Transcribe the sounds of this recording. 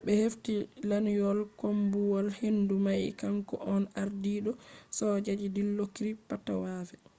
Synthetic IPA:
ɓɛheftilanjɔlkombuwɔlhindumajkaŋkɔ̰ʔɔnaɾdiɗɔsɔd͡ʒad͡ʒidilːokiɾipːata̰waːfɛ

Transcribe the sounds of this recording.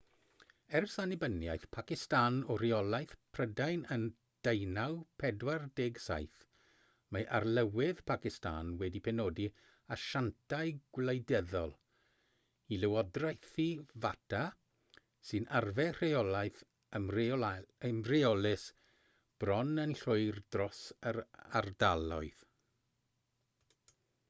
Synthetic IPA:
ɛrsanɪbənja̰jθpʰakɪstaːnɔriɔlˠajθpʰr̥ədajnən | d̥ejnawpʰɛdwardeːɡsa̰jθ | majʔarlˠəwɪð̥pʰakɪsta̰ːnwɛdipʰɛnoːdi | aʃantʰaɨɡ̥wlejdɛðɔlˠ | ilɪwɔdrajθivatʰa | sɨnʔarvɛr̥eɔlajθ | ə | əmreɔlɪs | b̥rɔnənɬʊɨrdrɔsəɾardalˠɔɨð

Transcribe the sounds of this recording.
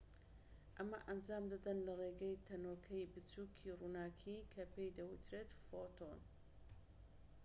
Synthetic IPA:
ʔɐmɐʔɐnd͡ʒaːmd̪ad̪ɐnlɐreɡɛjt̪ʰɐnoːkʰɐjbɨt͡sukʰiːrunaːkʰikʰɐpʰejd̪ɐwɨt̪ʰɾeːt̪fot̪ʰon

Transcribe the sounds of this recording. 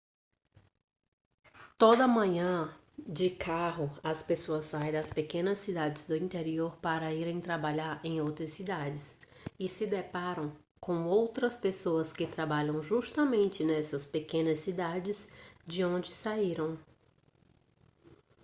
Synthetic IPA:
t̪od̪ɐmɐ̃ɲɐ̃ | d͡ʒɪkʰaɦʊɐspesoɐsːaj̃d̪ɐspekẽnɐsːid̪ad͡ʒɪzd̪ʊĩnt̪eɾioɾpaɾɐiɾẽj̃t̪ɾabaʎaɾẽj̃owt̪ɾɐsid̪ad͡ʒɪs | ɪsɪd̪epaɾɐ̃w̃ | kõw̃owt̪ɾɐspesoɐskɪt̪ɾabaʎɐ̃w̃ʒust̪ɐmẽnt͡ʃɪnɛsɐspekẽnɐsːid̪ad͡ʒɪzd͡ʒɪõnd͡ʒɪsaiɾɐ̃w̃

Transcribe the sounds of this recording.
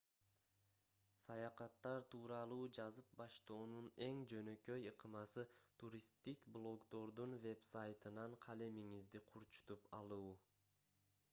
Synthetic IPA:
sɑjɑqɑt̪ːɑɾt̪ʰuːɾɑlˠuːd͡ʒɑzɯp̚bɑʃt̪o̞ːnune̞ŋd͡ʒø̞nø̞kø̞jɯqʰɯmɑsɯt̪ʰuɾʲist̪ikblˠo̞ɡd̪o̞ɾd̪unve̞psajt̪ɯnɑɴqʰɑlemiŋizd̪iqʰuɾt͡ʃu̥t̪upɑlˠuː

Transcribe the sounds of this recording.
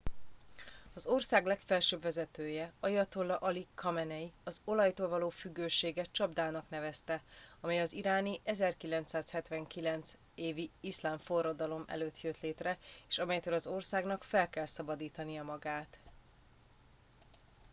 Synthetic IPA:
ɒzo̞rsaːɡlɛkfɛlʃøːbvɛzɛt̪øːjɛɒjɒt̪olːɒʔɒlikʰɒmɛnɛjiɒzo̞lɒjt̪oːlvɒloːfyɡːøːʃeːɡɛt͡ʃɒbd̪aːnɒknɛvɛst̪ɛ | ɒmɛjɒziɾaːniʔɛzɛrkilɛnt̪saːshɛt̪vɛŋkilɛnt̪s | eːviislaːɱfo̞rːɒd̪ɒlo̞mɛ̰løːt̪jøt̪leːt̪rɛeːʃɒmɛjt̪øːlɒzo̞rsaːɡnɒkfɛlkɛlsɒbɒd̪iːt̪ɒnijɒmɒɡaːt̪

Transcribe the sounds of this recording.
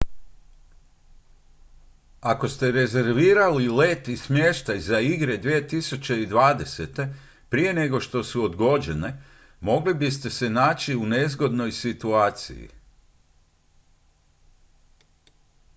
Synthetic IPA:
ako̞st̪e̞ɾe̞ze̞ɾʋiːɾalile̞t̪ismje̞ʃt̪ajzaiɡɾe̞d̪ʋie̞t̪isut͡ɕe̞id̪ʋaːd̪e̞set̪e̞ | pɾije̞ne̞ɡoʃt̪o̞suod̪ɡo̞d͡ʑe̞ne̞ | mo̞ɡlibist̪e̞se̞naːt͡ɕiune̞zɡo̞d̪no̞jsit̪uaːt̪sḭjḭ

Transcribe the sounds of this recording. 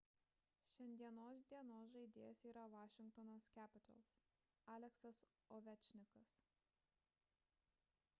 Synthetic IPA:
ʃʲɛnʲd̪ʲiɛnoːsd̪ʲiɛnoːs̬ʒɐɪd̪ʲeːjɛsiːɾɐʋɑːʃʲɪŋkt̪ɔnoskʲæːpʲɪt̪ɐ̰lˠs | ɑːlʲɛksɐs | ɔʋʲɛt͡ʃʲnʲɪkɐs

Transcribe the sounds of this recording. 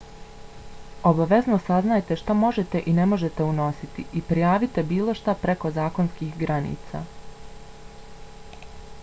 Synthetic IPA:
obaʋe̞znosaznaːjt̪e̞ʃt̪amo̞ʒe̞t̪e̞ʔine̞mo̞ʒe̞t̪e̞uno̞sit̪iʔipɾijaːʋit̪e̞biːlo̞ʃt̪apɾe̞ko̞zaːko̞nskiːxɡɾanḭːt̪sa̰

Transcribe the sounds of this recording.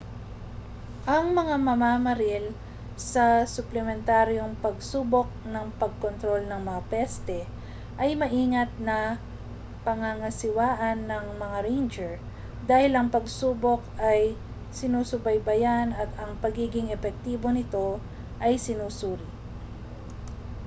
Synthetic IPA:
ʔɐŋmɐŋamɐmaːmɐɾɪl | sɐsʊplɛmɛnt̪aɾjo̞ŋpɐɡsuːbo̞k̚nɐŋpɐɡ̚kont̪ɾo̞lnɐŋmɐŋapɛst̪ɛ | ʔɐjmɐʔiːŋɐt̪̚nɐ | pɐŋaŋɐsɪwaːʔɐnːɐŋmɐŋaɾejnd͡ʒɛɹ | d̪aːhɪlɐŋpɐɡsuːbo̞kɐj | sɪnuːsʊbɐjbɐjanɐt̪ɐŋpɐɡiːɡɪŋɛfɛk̚t̪iːbo̞nɪt̪o̞ | ʔɐjsɪnuːsuːɾɪ

